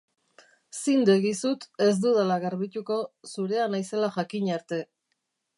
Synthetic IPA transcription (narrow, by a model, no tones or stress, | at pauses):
sind̪eɣisut̪e̞zd̪uðalaɣaɾβit̪uko̞suɾe̞anajse̞laʝakiɲaɾt̪e̞